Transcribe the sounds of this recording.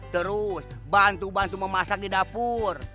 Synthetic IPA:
t̪əɾusbant̪ubant̪uməmasak̚didapur

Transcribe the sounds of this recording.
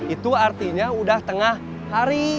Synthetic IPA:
it̪uart̪iɲaudaht̪əŋahː | aɾi

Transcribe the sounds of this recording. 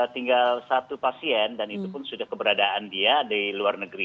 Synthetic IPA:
t̪iŋɡalsat̪upasiɛndanit̪upʊnsudahkəbəɾadaʔandiadaluarnəɡɾi

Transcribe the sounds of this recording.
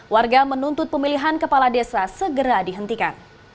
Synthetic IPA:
warɡamənunt̪ʊt̪̚pəmiliɦankəpaladesasəɡəɾadiɦənt̪ika̰n

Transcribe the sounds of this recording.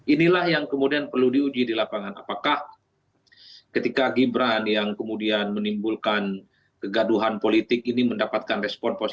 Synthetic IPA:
ʔinilahjaŋkəmudianpərludiud͡ʒidilapaŋana̰pakah | kət̪ikaɡibɾanjaŋkəmudianmənimbulkan | kəɡaduɦanpolit̪ɪk̚iniməndapat̪̚kanrɛspɔnpos

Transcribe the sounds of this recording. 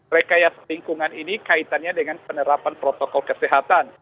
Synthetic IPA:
məɾekajaŋsəliŋkuŋaninikait̪anɲadəŋanpənəɾapanpɾot̪ɔkɔlkəsɛɦat̪an

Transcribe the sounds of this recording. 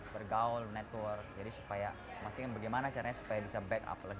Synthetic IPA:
bərɡaʊlnɛt̪wərd͡ʒadisu̥paja | masɪkabaɡajmanat͡ʃaɾaɲasu̥pajabisabɛka̰plaɡi

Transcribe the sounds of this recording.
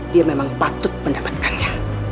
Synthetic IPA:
diamemaŋpat̪ʊt̪̚məndapḁt̪̚kanɲa

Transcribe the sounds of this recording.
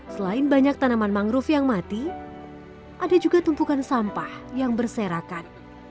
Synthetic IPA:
səlaɪnbaɲak̚t̪anamanmaŋɾʊfjaŋmat̪i | ʔadad͡ʒuɡat̪umpukansampahjaŋbərseɾakan

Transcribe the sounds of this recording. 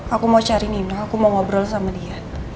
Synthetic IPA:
akumaut͡ʃaɾininɔakumaŋɔbɾɔlsamadia

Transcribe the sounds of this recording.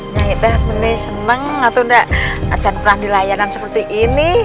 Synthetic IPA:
ɲaɪɛhmənɪsənəŋat̪undaʔa̰t͡ʃanpəɾaŋdilajanaŋsəpərt̪iʔini

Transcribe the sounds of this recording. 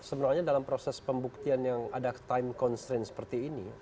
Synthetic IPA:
səbənaɲadalampɾosɛspəmbuk̚t̪ianjaŋadat̪aɪmkɔnst̪ɾensə̥pərt̪iːni

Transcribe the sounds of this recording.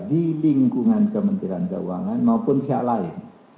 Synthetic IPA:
diliŋkuŋankəmənt̪iɾant̪ə̰uaŋanmaupʊnsiaʔlaɪn

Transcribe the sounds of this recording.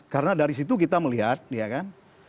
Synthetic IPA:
kaɾənadaɾis̬it̪uk̬it̪aməliɦat̪̚ijakan

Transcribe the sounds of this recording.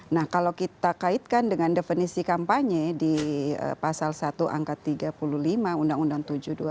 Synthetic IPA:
nahkalawkit̪akait̪̚kandəŋandefənisikampaɲɛdiə̰pasalsat̪uʔa̰ŋkat̪ːiɡapuluhlimaundaŋundaŋt̪ud͡ʒuhdua

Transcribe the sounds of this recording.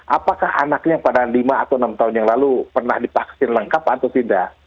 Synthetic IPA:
ʔapakaha̰nak̚ɲapadanlimaːt̪awənamt̪aɦʊnjaŋlalupərna̰hdipaksɪnləŋkapat̪awt̪inda

